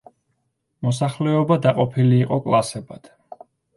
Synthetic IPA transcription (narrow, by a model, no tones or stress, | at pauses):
mɔsaχlɛɔbad̪aqʼɔpʰiliːqʼɔkʼlˠasɛbad̪̥